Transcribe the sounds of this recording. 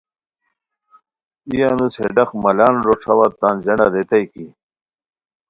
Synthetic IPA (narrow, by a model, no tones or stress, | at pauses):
ijanusheɖɐxmɐlaːnɾoʈ͡ʂʰɐwat̪aːnzena̰d̪et̪ɐjki